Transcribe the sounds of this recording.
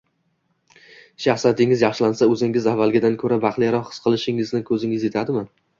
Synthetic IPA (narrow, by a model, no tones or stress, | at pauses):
ʃaχsat̪ʰɪŋɪzjɑχʃɪlansaɵzɪŋɪzavːalˠɡʲɪd̪ankʰɵɾabɑqlˠɪjaɾɒːɨ̥sqʰɨlˠɪʃɪŋɪznɪkʰɵzɪŋɪzje̞t̪ʰad̪ɪman